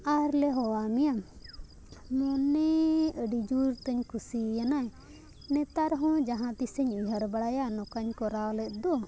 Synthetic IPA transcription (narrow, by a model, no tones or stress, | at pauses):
aɾlɛɦɔwamija | mɔnɛəɖid͡ʒuɾt̪əɲkʰusijanaj | nɛt̪aɾɦɔ̃d͡ʒaɦãt̪isəɲiɦəɾbaɽajanɔkaɲkɔɾawlɛt̪̚ˀd̪ɔ